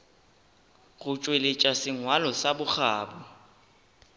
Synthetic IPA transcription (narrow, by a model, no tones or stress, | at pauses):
ɣʊt͡ʃʼwelet͡ʃʼasɪŋwalɔsabʊk͡xʰaːbɔ